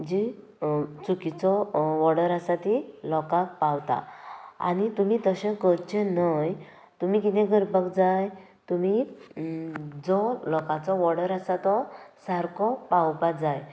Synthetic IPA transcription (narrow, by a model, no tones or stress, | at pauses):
d͡ʑi | t͡sukit͡sɔʋɔɽəɾasat̪ilɔkak̚pawt̪a̰a̰nit̪umit̪əɕẽkəɾt͡ɕenəj | t̪um̤ikit̪ɛ̃ɡəɾpəkd͡zajt̪umi | d͡zɔlɔkãt͡sɔʋɔɽəɾasat̪ɔsaɾkʰɔpawpad͡zaj